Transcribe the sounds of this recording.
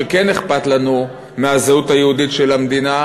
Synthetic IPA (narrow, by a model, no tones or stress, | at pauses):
keneχpat̪lanu | meazeutajeuditʃelamd̪ina